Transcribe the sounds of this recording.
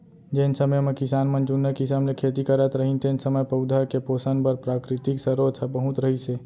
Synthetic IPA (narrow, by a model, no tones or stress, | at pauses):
d͡ʒensəməjmẽkɪsaːnmənd͡ʒunːəkisəmnekʰeːt̪ikəɾət̪ɾəɦĩnt̪eːnsəməjpəʊd̪ʱəɾkepoːsənbəɾpɾaːkɾɪt̪iksəɾot̪ʰəpəɦʊ̃t̪ɾəɦise